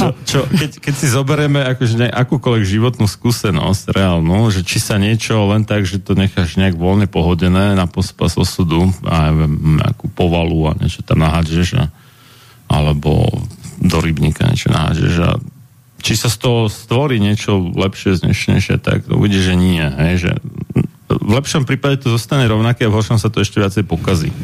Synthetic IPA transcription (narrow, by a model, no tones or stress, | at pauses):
t͡ʃɔt͡ʃɔkɛckɛcsizɔbɛɾɛmɛakɔʒɛɲɛʔakuːkɔlʋɛɡʒiʋɔt̪nuskuːsɛnɔ̰scɾʔɛalnuːʒɛt͡ʃisaɲɪɛt͡ʃɔlɛnt̪aɡʒɛt̪ɔɲɛxaʒɲɛaɡʋɔlɲɛpɔɦɔɟɛnɛːnapɔspazɔsud̪ua̰jʋɛmɲɛ̰akupɔʋalua̰ɲɪɛ̰t͡ʃɔ̥t̪amnaɦad͡ʒɛʒa̰ | ʔa̰lɛbɔ̰d̪ɔɾibɲika̰ɲ̰ɛ̰t͡ʃɔna̰ɦa̰d͡ʒɛ̰ʒa̰ | t͡ʃisast̪ɔɦɔst̪ʋɔɾiːɲɪɛt͡ʃɔlɛpʃɪɛzɲɛ̰ʃɲɛ̰jʃɪɛ̰t̪a̰ɡṵʋiɟiɛʒʒɛɲiɛɦɛjʒɛ̰ | vlɛpʃɔmpɾiːpaɟɛt̪ɔzɔst̪aɲɛɾɔʊnakɛavɦɔɾʃɔmsat̪ɔɛʃcɛʋɪat͡sɛɪjpɔkazḭ